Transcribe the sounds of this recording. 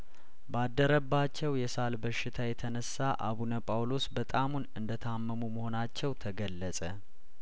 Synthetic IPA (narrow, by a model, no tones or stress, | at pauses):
bad̪ːəɾəbːat͡ʃːɛwjɛsalbəʃːɪt̪ʰajɛt̪ʰənəsːaʔaβunəpʼawlo̞sbət̪ʼamunɨnd̪ət̪ʰəamːəmuməho̞nat͡ʃːɛwt̪ʰəɡəlːəsʼə